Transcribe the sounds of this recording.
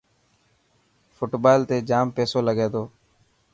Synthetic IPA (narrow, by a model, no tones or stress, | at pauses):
fʰʊʈbaːlt̪eːd͡ʒaːmpeːsoːləɡeːt̪oː